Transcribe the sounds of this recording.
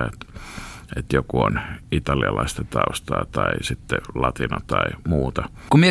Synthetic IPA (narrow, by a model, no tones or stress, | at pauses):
et̪ | et̪jokuonit̪ɑliɑlɑist̪ɑt̪ɑust̪ɑːt̪ɑisit̪ːelɑt̪inɑt̪ɑimuːt̪ɑ | kumie